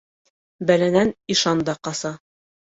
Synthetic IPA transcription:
bælænæniʃɑnd̪ɑqɑsɑ

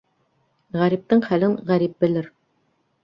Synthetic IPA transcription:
ʁæɾip̚t̪ɤɴχælɘɴʁæɾip̚bɘ̆lɘɾ

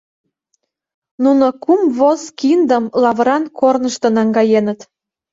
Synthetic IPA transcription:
nunokumβoskind̪əmlɑβɾɑnkʰornəʃt̪ə̆nɑŋɡɑjenət̪

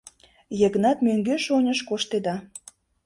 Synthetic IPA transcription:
jəɣnɑt̪møŋɡeʃonʲəʃkoʃt̪ed̪ɑ

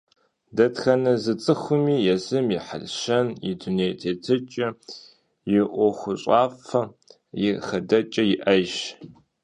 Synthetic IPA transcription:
dɐtxɐnɐzɨt͡sʼɨxʷʊmiːjɛzɨmjɪħə̰lʃɐnjɪduneːjtʰeːtʰɨt͡ʃʼɐ | jɪʔʷɔxʷʊɕʼaːfɐ | jɪxɐdɐt͡ʃʼɐjɪʔɐʒ

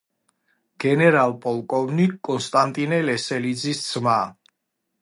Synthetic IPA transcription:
ɡ̥ɛnɛɾalˠpʼɔlˠkʼɔvnikʼːɔnst̪ʼant̪ʼinɛlɛsɛlid̪zisd̪z̥ma

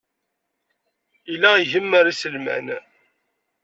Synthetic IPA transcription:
ilæiʝəmːəɾæsəlmæ̰n

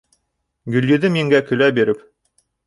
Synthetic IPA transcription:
ɡɵ̆ljɵ̆d̪ɘmjiŋɡækɵ̆læbiɾɘp

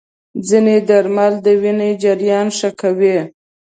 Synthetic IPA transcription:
d͡zined̪aɾmald̪əwined͡ʒaɾjɑnʂakawe

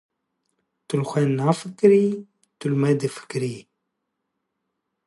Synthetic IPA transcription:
t̪ulxʷenːafəkɾi | t̪ulmɛd̪ifə̥kɾi

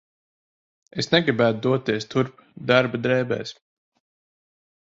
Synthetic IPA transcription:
esnɛɡɾibæːt̪̚d̪uɔt̪ːiɛst̪uɾp | d̪aɾbad̪ɾɛːbɛ̰ːs

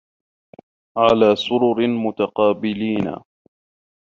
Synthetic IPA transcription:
ʕalaːsʊɾʊɾmʊt̪ɑqɑːbɪliːna̰

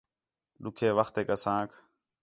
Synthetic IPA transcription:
ɗʊkʰeːʋəxt̪eːkəsãːkʰ

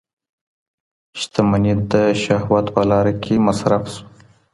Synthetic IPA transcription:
ʃt̪amanit̪̚d̪əʃahwat̪pəlɑɾakʰemasɾafsu̥

